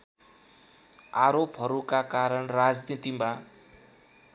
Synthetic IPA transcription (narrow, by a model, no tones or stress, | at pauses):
aɾopɦʌɾukakaɾʌnrad͡znit̪ima